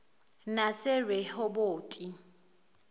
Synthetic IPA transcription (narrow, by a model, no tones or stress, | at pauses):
nasɪrwehʊboːtʼi